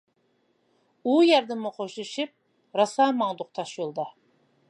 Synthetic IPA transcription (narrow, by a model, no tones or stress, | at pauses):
ujæɾd̪ɪmːʊqʰoʃuʃip̚ | ɾɑsɑːmɑŋd̪ʊq̚t̪ʰɑʃjolˠd̪ɑ